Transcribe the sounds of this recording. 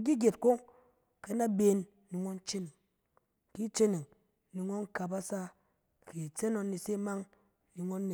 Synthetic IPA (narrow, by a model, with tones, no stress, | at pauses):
ɡi˦ɡʲe˨tko˦ŋ | ke˨˧na˦be˦˧nː | i˨ŋo˦nt͡ʃe˦ni˨ŋ | ki˦t͡ʃe˦ni˨ŋ | ni˨ŋo˦ŋka˨pa˦sa˦ | ke˨t͡se˦no˧nːi˨se˦ma˦ŋ | ni˨ŋo˦nːi˨